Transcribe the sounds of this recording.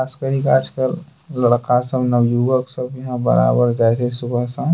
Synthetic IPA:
kʰaskəɾikaːd͡ʒkəlː | əɽkasəbnəʋjuʋəksəbjɐɦãbə̰ɾa̰bəɾd͡ʒaɛt̪ʰɛsubʱəɦsəb

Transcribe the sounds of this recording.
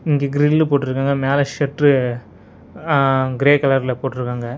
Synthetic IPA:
ɪŋɡeɡɪɾɪnlpoːʈːɪɾɯkːaːŋɡɐmeːlɐʃɛʈɾɯ | ɡɪɾeːkɐlɐɾlɐpoːʈːɪɾɯkːaːŋɡɐ

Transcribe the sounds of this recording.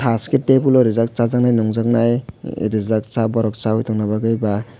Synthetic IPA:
ʈʰaskeʈepuloɾizak̚t͡sazaknajnuŋd͡zʌknajɾizak̚t͡sabɔɾɔk̚t͡saɦujt̪ʰuknabaɡɯjba

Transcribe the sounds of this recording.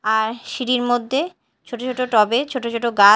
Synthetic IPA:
aɾʃiɾiɾmod̪ʱːe | t͡ɕʰoʈot͡ɕʰoʈoʈɔbet͡ɕʰoʈot͡ɕʰoʈoɡa

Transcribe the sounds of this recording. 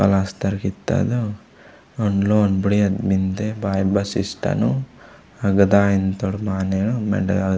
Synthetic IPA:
pɐ̰last̪ɐɾkit̪ːa̰d̪u | oɳloonbuɽiɐd̪mint̪ebaːjbɐsisʈɐ̰nu | ɐɡɐd̪aːjint̪oɽumaːnenumḛɖ

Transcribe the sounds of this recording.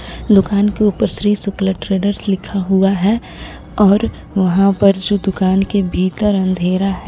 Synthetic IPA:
d̪ʊkaːnkeuːpəɾʃɾiːsʊkləʈɾeːɖəɾslɪkʰaɦuaɦɛ | ɔːɾ | ʋɐɦãpɐɾd͡ʒoːd̪ʊkaːnkebʱiːt̪əɾɐ̃nd̪ʱeːɾaɦɛ

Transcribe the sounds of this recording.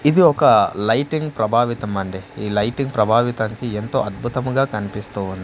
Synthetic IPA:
id̪iɔkɐlɐjʈiŋɡpɾɐbʱaːʋit̪ɐmɐɳɖiiːlɐjʈiŋɡpɾɐbʱaːʋit̪ɐːŋkie̞nt̪o̞ːɐd̪̚bʱut̪ɐmɡaːkɐnipist̪uːund̪i

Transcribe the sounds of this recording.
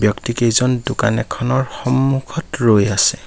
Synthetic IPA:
bjɔktikejzɔndʊka̰nɛkʰɔnɔɹxɔmːukʰɔtɹojasɛ

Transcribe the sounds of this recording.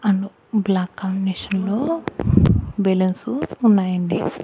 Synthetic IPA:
ɐɳɖu | blaːkːaːmbineːʃɐnloː | belɐnsuunːaːjɐɳɖi

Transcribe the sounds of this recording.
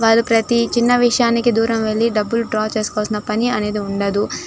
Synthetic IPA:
ʋaːɾupɾɐt̪it͡ʃinːɐʋiʂɐjaːnikid̪uːɾɐmʋeɭːiɖɐbːuluʈɾaːt͡ʃeːsu̥koʋɐsinɐpɐniɐne̞ːd̪iuɳɖɐd̪u

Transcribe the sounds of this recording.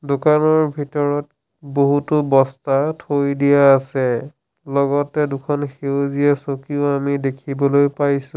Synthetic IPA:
dʊkanɔɹbʱitɔɹɔt | boɦutʊbɔstatʰojdijaːsɛ | lɔɡɔtɛdʊkʰɔnxewziɛsokioamidekʰibɔlojpajsũ

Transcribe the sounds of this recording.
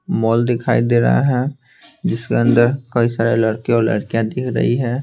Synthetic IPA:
mɔːld̪ɪkʰaːid̪eːɾə̰ɦa̰ɦɛ | d͡ʒɪskeə̃nd̪əɾkɐisaːɾelɐɽkeɔːɾlɐ̰ɽkjãd̪ɪkʰɾɐ̰ɦiɦɛː

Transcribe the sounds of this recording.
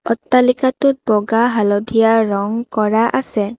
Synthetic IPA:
ɔtːalikatʊt̚bɔɡaɦalɔdʱijaɹɔŋkɔɹaʔasɛ

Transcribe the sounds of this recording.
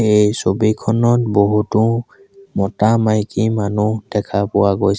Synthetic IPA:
ejsobikʰɔnɔtboɦutʊ | mɔtamajkimanud̥ɛkʰapʊwaɡoj

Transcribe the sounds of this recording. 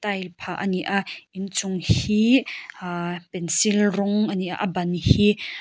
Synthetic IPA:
t̪ɐjlpʰaʔɐniʔaʔint͡sʊŋhi | pɛnsilrɔŋʔaniʔa̰ʔɐbɐnhi

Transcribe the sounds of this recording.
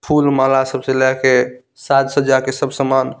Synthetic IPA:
pʰulmalasəbselɛke | sat̪səd͡ʒakesəbʱsəman

